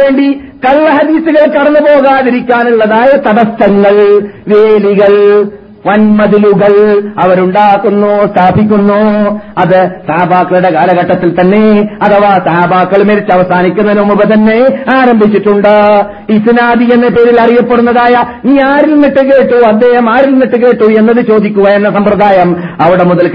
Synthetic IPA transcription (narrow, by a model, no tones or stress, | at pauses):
ʋe̞ːɳɖi | kɐlːɐɦɐd̪iːsuɣɐɭkɐɽɐnːɨpo̞ːɣaːniɾikʲːaːnuɭːɐðaːjɐt̪ɐðɐst̪ɐŋːɐɭʋe̞ːliɣɐɭ | ʋɐnmɐðiluɣɐɭɐʋɐɾuɳɖaːkːunːoːst̪ʰaːbʱik̬ʲːunːoɐðɨsaːbʱaːkːɐɭuɽe̞kaːlɐɣɐʈːɐt̪ːilt̪ɐnːe̞ɐt̪ʰɐʋaːsɐabʱaːkːɐɭmeɾit͡ɕːɨɐʋɐsaːnikʲːunːɐnumubɐt̪̬ɐnːe̞aːɾɐmbʱit͡ɕːiʈːuɳɖɨ | iːsinaːd̪ijenːepe̞ːɾilɐrijɐpːe̞ɽunːɐðaːjɐniːaːɾilnːiʈːɨke̞ːʈːuɐd̪ːe̞ːhɐmaːɾilniʈːɨke̞ːʈːuenːɐðɨt͡ɕo̞ːd̪ikʲːuɣɐjenːɐsɐmpɾɐd̪aːjɐm | ɐʋiɽe̞muðɐlk